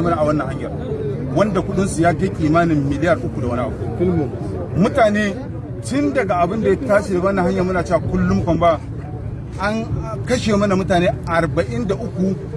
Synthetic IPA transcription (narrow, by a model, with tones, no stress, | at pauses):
mɐ˦na˨ʔa˨wɐ˦nːɐ˨ha˦ɲjɐ̰˨r | wɐ˦nda˨kʷʊ˦ɗʊ˦nsu˨jaː˦ɡɐ˦kʲʼiː˨maː˦nɪ˨mːɪ˨lɪ˦jɐ˨rʔʊ˦ku˨da˨wɐ˦na˦˨˦ɪ˦mu˨ | mʊ˦taː˨ne˦ | tɪ˦ndɐ˨ɡa˨ʔa˨bɪ˦nda˨e˦taː˦ʃi˨a˨wɐ˦nːa˨ɦa˦ɲjɐ˨mʊ˦naː˨t͡ʃe˦wa˨kʊ˦lːʊ˦m˦kɐ˨mba˦ | ʔa˦ŋkɐ˦ʃe˨mɐ˦na˨mʊ˦taː˨neː˦ʔa˨ɾba˨ʔɪ˦nda˨ʔʊ˦kʷu˨